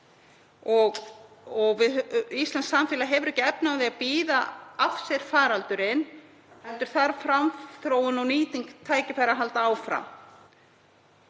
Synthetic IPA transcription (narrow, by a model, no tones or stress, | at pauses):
ɔɣ | ɔɣvɪðist̪lansamfɪːlaɦɛvʏɾɛcɪɛpnawðɪaðpiːðaafsɛɾ̥faːɾalt̪ʏɾɪn | ɛnt̪ʏɾ̥θaɾ̥fɾamθɾoːwʏnawniːt̪iŋkt̪ʰaːjcɪfajɾaɦalt̪aaːwfɾa̰m